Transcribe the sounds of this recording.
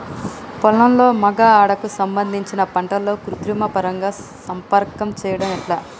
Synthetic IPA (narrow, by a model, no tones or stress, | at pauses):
pɔlːɐmlo̞ːmɐɡaːaːɽɐkusɐmbɐnd̪ʱiɲt͡ʃinɐpɐɳʈɐlːo̞ːkɾut̪ɾumɐpɐɾɐŋɡaːsɐmpɐɾkɐmt͡ʃɛːjɐɽɐmɛʈlaː